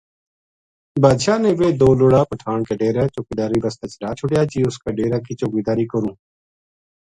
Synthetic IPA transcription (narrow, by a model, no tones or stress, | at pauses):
baːd̪ʃaːnẽːʋeːd̪oːloːɽaːpəʈʰaːɳkeːɖeːɾɛːt͡ʃoːkid̪aːɾiːbəst̪et͡ʃəɾaːt͡ʃʰʊɽjaːd͡ʒiːʊskaːɖeːɾaːkiːt͡ʃokiːd̪aːɾiːkəɾũː